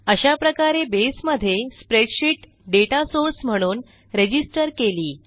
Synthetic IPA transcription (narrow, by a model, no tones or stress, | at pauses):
əɕapɾəkaɾebesməd̪ʱːjespɾeʈɕiːʈ | ɖeʈasoɾsm̤əɽ̃uːn | ɾed͡ʑisʈəɾkeliː